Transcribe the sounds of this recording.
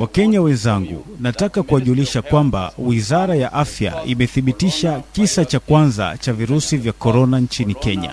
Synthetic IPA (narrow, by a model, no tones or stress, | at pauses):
wakɛɲawɛnzaŋɡṵnatakakuaʄuliʃakwamba̰wizaɾajaʔafja̰imɛθiɓitiʃakisat͡ʃakwanza̰t͡ʃaviɾusivjakɔɾɔnant͡ʃinikɛɲa̰